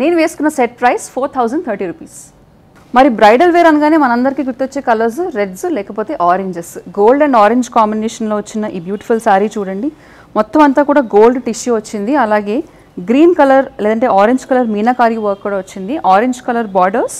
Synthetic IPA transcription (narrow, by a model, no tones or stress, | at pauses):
neːnuʋe̞ːsu̥kunːɐseʈ̚pɾɐjspʰoːɾt̪ʰɐwzɐɳɖ̚t̪ʰɐɾʈiːɾuːpiːs | mɐɾibɾɐjɖɐlʋeːɾɐnɐɡaːneːmɐnɐɐnd̪ɐɾikiːɡuɾt̪ːiʋot͡ʃːeːkɐlɐɾs̬uɾeɖsulɛːkɐpo̞ːt̪e̞ːʔaːɾeɲd͡ʒesɡoːlɖɐɳɖaːɾeɲd͡ʒkaːmbineːʂɐnloːʋɐt͡ʃːinːɐʔiːbjuːʈi̥fʰulsaːɾiːt͡ʃuːɽɐɳɖi | mɔt̪ːɐmɐnt̪aːkuːɽaːɡoːlɖʈiʃuʋɐt͡ʃːind̪iɐlaːɡe̞ː | ɡɾiːnkɐlɐɾlɛːd̪ɐɳʈe̞ːaːɾeɲd͡ʒkɐlɐɾmiːnaːkaːɾiʋɐɾkːuːɽaːʋɐt͡ʃːind̪iʔaːɾeɲd͡ʒkɐlɐɾbaːɖɐɾs